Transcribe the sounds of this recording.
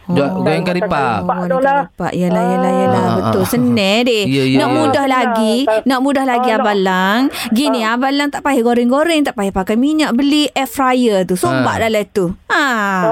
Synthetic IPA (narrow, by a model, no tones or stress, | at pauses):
ɡoɛŋkaɾipankaɾipa̰ʔjalahjalajalahbət̪ʊlsənɛdɪnaʔmudahlaɡinɔʔmudahlaɡiabalaŋɡiniabalaŋt̪aʔpaiɡoɾɪŋɡoɾɛŋt̪aʔpaihpakajmiɲaʔbəliʔɛfrajət̪usomba̰ʔdalat̪ua